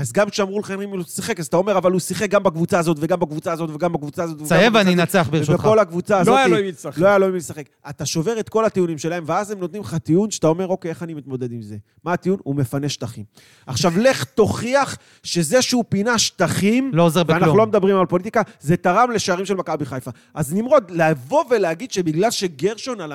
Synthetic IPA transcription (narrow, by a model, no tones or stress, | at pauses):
azɡamkʃeamʁulaχenimilusiχe̞kazt̪ao̞me̞ʁavalusiχek̚ɡambakvut͡saːzo̞t̪veɡambakvut͡saːzo̞t̪veɡambakvut͡saːzo̞t̪saevaninat͡seaχbʃeko̞lakvut͡saːzloajaloimilslo̞ajaloimilesaχe̞kat̪aʃo̞ve̞ʁet̪ko̞lat̪iunimʃe̞lae̞mveazemnot̪nimlχat̪iunʃaat̪ao̞me̞ʁokee̞χanimit̪mo̞d̪e̞d̪imze̞ | maːt̪iunume̞faneʃt̪aχim | aχʃavle̞χt̪o̞χiaχ | ʃe̞ze̞ʃupinaʃt̪aχimloozebannaχnulo̞med̪abʁimalpo̞lit̪ikaze̞taʁamle̞ʃeaʁimʃe̞lmakabiχajfa | ʔaznimʁo̞d̪leavo̞ve̞leaɡid̪ʃe̞biɡlalʃe̞ɡeʁʃonala